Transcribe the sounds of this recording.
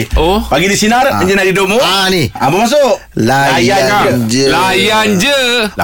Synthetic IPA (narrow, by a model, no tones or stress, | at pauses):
opaɡidisinaraɲd͡ʒənaidoʔmoniaməmas̬oʔ | lalajankad͡ʒlajand͡ʒəa